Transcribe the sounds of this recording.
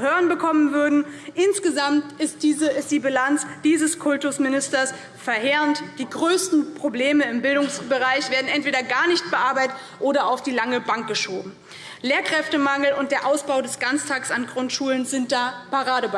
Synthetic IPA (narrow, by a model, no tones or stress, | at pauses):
høːʁənbəkʰɔmənvʏɐdn̩ʔɪnsɡ̥əzamtɪstd̥iːzəɪstd̥iːbilant͡sd̥iːzəskʰʊltʊsmɪnɪstɐs | fɛɐɦeːʁəntd̥iːɡʁøːstn̩pʁ̥obleːməɪmbɪldʊŋsb̥əʁaɪçv̥eːɐdn̩ʔɛntv̥eːdɐɡaːɐnɪçt̚b̥əʔaːɐbaɪtət | ʔoːɾɐaʊfd̥iːlaŋəbaŋk̚ɡ̥əʃoːbm̩ | leːɐkʁ̥ɛftəmaŋl̩ʊntd̥eːɐʔaʊsb̥aʊdɛsɡ̥ant͡stʰaːksanɡʁʊntʃuːlənzɪnt̚d̥aːpaʁaːɾəb